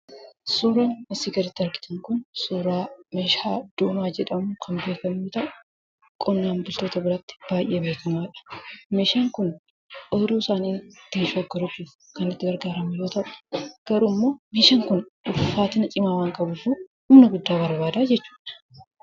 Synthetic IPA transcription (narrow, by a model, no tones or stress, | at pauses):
suːɾaːnmɐsiɡɐɾɪt̪ːɪɐɾɡɪ̥t̪ɐŋkʊnsuːɾaːmeːʃaːd̪̥oːmaːd͡ʒɛᶑɐmʊkʰɐmbe̞ːkɐmːut̪ɐʔʊ | kʼɔnːaːmbʊlt̪oːt̪ɐbɪɾɐt̪ːɪ̥b̥aːjʔeːbeːkɐmaːᶑɐ̥meːʃaːŋkʊn | ʔɔjd̪uːsaːniːt̪ːɪnʃoːɡɐɾʊt͡ʃːuːf | kɐnɪt̪ːɪɡɐɾɡaːɾɐmʊjo̞ːt̪ɐʔʊ̥ɡ̥ɐɾuːmːo̞ːmeːʃaŋkʊnʊʊfaːt̪ɪnɐt͡ʃʼɪmaːwaːŋkʼɐbʊfuhʊmnɐɡʊd̪ːaːbɐɾbaːd̪aːd͡ʒɛt͡ʃːuːᶑɐ̥